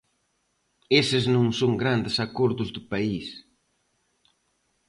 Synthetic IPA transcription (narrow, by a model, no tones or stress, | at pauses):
esɪznõŋsoŋɡɾand̪ɪsakoɾðʊzðʊpais